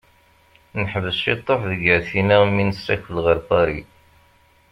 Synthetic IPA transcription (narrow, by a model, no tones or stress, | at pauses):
nħəvəsʃit̪ˤːofðəɡəɾθinæmːinəsːæçəlʁəɾfɑɾḭ